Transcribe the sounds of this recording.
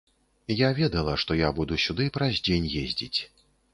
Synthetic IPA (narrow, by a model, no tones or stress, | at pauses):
javʲɛd̪ɐlˠɐʂt̪ɔjabud̪usʲud̪ɨpɾɐzʲd͡zʲenʲjezʲd͡zʲit͡sʲ